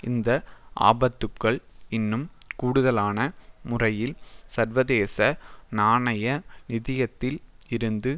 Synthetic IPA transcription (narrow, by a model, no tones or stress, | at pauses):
ɪnd̪ɐʔa̰ːbɐt̪ːɯkːɐɭɪnːɯmkuːɽɯðɐlaːnɐmʊrɐjɪlsɐɾʋɐðeːsɐnaːnɐjɐnɪðɪjɐt̪ːɪl | ɪɾɯnd̪ɯ